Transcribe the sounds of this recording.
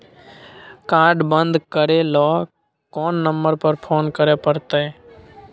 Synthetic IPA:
kaːɾɖbənd̪kəɾeːlɔː | kɔːnːəmbəɾpəɾpʰoːnkəɾeːpəɾt̪eː

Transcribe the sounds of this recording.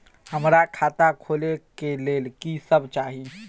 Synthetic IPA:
həmɾakʰaːt̪akʰoːlekeleːlkisəbt͡ʃaːɦi

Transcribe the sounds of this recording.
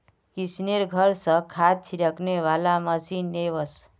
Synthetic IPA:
kisneɾɡʱʌɾsʌ̃kʰad̪̚t͡ʃʰiɾəkneʋalaməsinːeβəs

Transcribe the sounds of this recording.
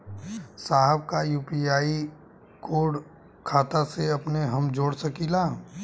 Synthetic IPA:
saːɦəbkajuːpiaːi | koːɽ | kʰaːt̪aseɐpneɦɐmd͡ʒoːɽsɐkiːlaː

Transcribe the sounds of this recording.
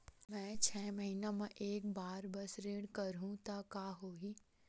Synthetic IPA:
mɛ̃ːt͡ʃʰɛːmɐɦinamẽʔeːk̚baːɾbɐsɾeːɽkɐɾɦũt̪akaːɦoːɦi

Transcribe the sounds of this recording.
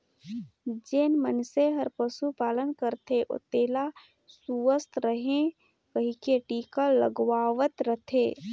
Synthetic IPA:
d͡ʒeːnmənseɦəɾpəʃupaːlənkəɾt̪eʔo̰t̪eːla | suəst̪ɾəɦẽ | kəɦĩkeʈiːkələ̰ɡwaːʋət̪ɾət̪ʰeː

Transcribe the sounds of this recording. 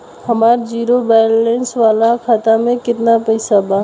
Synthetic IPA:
hɐmaːɾd͡ʒiːɾobaːjɾlɛ̃ːnsʋaːlakʰaːt̪amẽkɪt̪napɛɪsabaː

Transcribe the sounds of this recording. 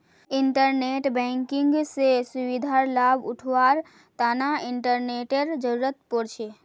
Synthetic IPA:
ɪɳʈəɾneʈbɛ̃ŋkɪ̃ŋɡsesuʋid̪ʱaɾlabʊʈʰʋaɾ | t̪anaɪɳʈəɾneʈeɾd͡ʒəɾuɾət̪pɔɽʃʰe

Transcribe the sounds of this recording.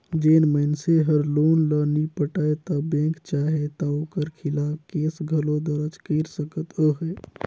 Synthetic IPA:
d͡ʒenmənseɦəɾlonlənipəʈəjt̪ɔbẽkt͡ʃaɦet̪ɔokəɾkʰilakeːsɡʱəlod̪əɾət͡ʃkəɾsəkət̪əɦə

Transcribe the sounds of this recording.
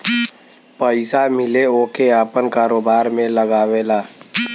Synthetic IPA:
pəɪsamɪleoːkeaːpənkaːɾoːbaːɾmẽləɡaːʋelaː

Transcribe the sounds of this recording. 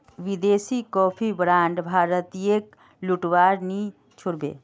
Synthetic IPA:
ʋɪd̪eːsikɔːpʰibɾãːɳɖbʱaːɾət̪ek | lʊʈwaːɾnĩ | t͡ʃʰʊɾbḛː

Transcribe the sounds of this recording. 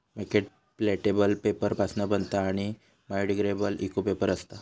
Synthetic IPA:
məkeʈ̚ | pleʈebəlpepəɾpasnəbənd̪t̪aːɽ̃i | majɖiɡɾebəlikupepəɾəst̪a

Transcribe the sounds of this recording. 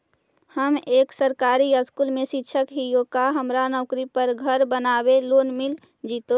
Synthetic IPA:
həmeːksəɾkaːɾiəskuːlmẽʃɪtːt͡ʃʰəkɦijokaɦəmɾanɔʊkɾipəɾɡʱəɾbənaːbeloːnmɪl | d͡ʒit̪o

